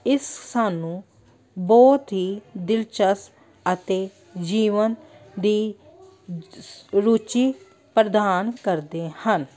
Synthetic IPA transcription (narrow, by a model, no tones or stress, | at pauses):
ɪssaːnũː | bɔːt̪ɦiːd̪ɪlt͡ʃəs | ət̪eː | d͡ʒiːʋənd̪iː | ɾuːt͡ʃiː | pɾəd̪aːnkəɾd̪eːhən